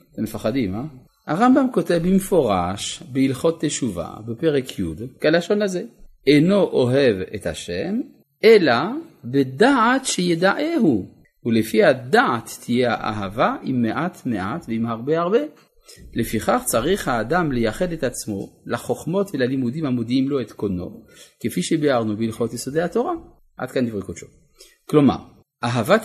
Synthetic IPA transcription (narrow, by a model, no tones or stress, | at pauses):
zemefaχadima | haʁambamko̞tevbimefo̞ʁa̰ʃbeilχo̞t̪ːeʃuva̰bepe̞ʁekʰjṵd̪kalaʃo̞naze | eno̞ʔoɦe̞vḛt̪ha̰ʃem | elabedaatʃejed̪aʔeɦu | ulefihadaat̪ːijea̰ʔa̰ɦavaʔimːeʔat̪meʔatveimhaʁbeaʁbe̞ | lefiχaχt͡saʁiχhaːdamlejaχe̞det̪at͡smo̞̰laχo̞χmo̞tvelalimud̪imhamod̪iimlo̞et̪kono̰kefiʃebeaʁnubilχot̪jesodehat̪o̞ʁa | ʔa̰d̪kandivʁikutʃo | klo̞ma̰ʁ | ʔaɦava